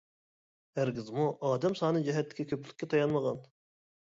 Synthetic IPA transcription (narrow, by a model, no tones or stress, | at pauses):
hæɾɡʲɪzmuʔɑːd̪ɛmsɑːnɨd͡ʒɛɦɛt̪ːɪ̥kʲikʲʰøpʰlɪkʲːɛt̪ʰɑjɑnməʁɑn